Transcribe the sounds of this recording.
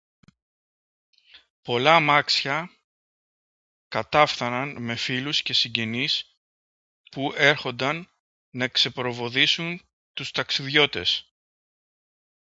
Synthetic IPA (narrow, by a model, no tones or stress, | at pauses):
po̞lɐmɐksçɐ | kɐt̪ɐfθɐnɐnme̞filusce̞siɲɟe̞nis | puʔe̞ɾxo̞nd̪ɐnː | ɐekse̞pɾo̞vo̞ðisun | t̪ust̪ɐksiðʝo̞t̪e̞s